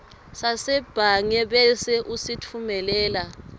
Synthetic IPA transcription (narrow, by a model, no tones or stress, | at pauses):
sasɛb̥ʱaŋɛɓɛsɛʔusitʰumɛlɛːla